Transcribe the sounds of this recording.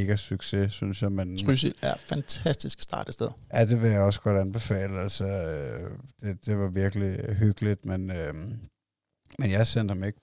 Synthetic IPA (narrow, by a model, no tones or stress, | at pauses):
ɡ̥æsyɡ̥se̝synsjamænʰʁysidæɐfænt͡sʰæsd̥isɡ̥sd̥ɑ̰̈ːɾ̥əsd̥eðˠjæd̥e̝ʋe̝jäɒ̽sɡ̥ɒ̽d̥ænb̥e̝fɛ̰ːləælsɒød̥e̝d̥e̝ʋɑ̈ʋiɐɡ̥əliɦyɡ̥əlid̥menø | menjɑ̈ɪsen̰d̥hɑme̝ɡ̥ə